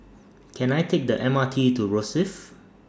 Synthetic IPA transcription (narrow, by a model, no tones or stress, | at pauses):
kʰɛ̃najtʰek̚dəʔɛ̃matʰituɹɔsɪf